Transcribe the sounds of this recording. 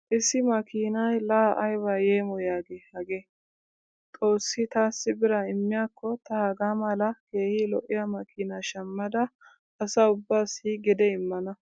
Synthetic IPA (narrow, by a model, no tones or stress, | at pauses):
ʔɪsɪmɐkiːnɐjlaːʔɐjβaːjeːmɔjaːɡehɐɡe | t̪ʼo̞ːsːɪt̪aːsːɪbɪɾɐɪmːɪjaːkːɔt̪ɐhaɡaːmɐlɐke̞ːhilɔʔɪjɐmɐkʰiːnaːʃɐmːɐd̪ɐ | ɐsɐʊbːaːsiːɡɛd̪ɛɪmːɐnɐ